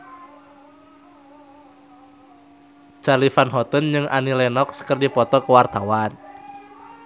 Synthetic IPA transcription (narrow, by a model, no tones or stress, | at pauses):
d͡ʒ̥alifanɦɔt̪ɔnd͡ʒɨŋʔa̰nilɛnɔkskərdipɔt̪ɔkəwart̪awan